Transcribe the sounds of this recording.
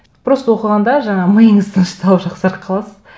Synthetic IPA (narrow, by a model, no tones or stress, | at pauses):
b̥ɪɾost̪əwoqəʁɑnd̪ɑʒɑɴɑməjəɴəzt̪ʰənʃə̥t̪ʰɑlˠəpʒɑqsɑɾəqʰɑlˠɑsəz